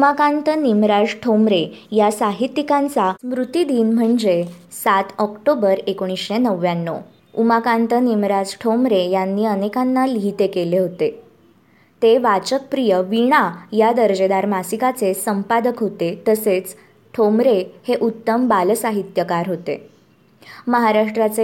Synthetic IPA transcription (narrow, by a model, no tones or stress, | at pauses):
umakãnt̪ənimɾad͡zʈʰomɾejasaɦit̪ːikãnt͡samɾut̪id̪iːnm̤əɳd͡ze | sat̪ɔkʈobəɾekoɽ̃isɕenəʋːjanːo̰ | umakãnt̪ənimɾad͡zʈʰomɾejanːiːənekanːaliɦit̪ekeleɦot̪e | t̪eʋat͡ɕək̚pɾijəʋiɽ̃ajad̪əɾd͡ʑed̪aɾmasikat͡sesəmpad̪əkɦot̪et̪əset͡s | ʈʰomɾeheʔut̪ːəmbalsaɦit̪jəkaɾɦot̪ḛ | məɦaɾaʂʈɾat͡se